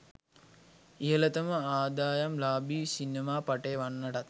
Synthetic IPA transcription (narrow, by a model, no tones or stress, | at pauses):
ijələt̪əməaːd̪aːjamlaːbiːsinemaːpaʈeːʋanːəʈat̪̚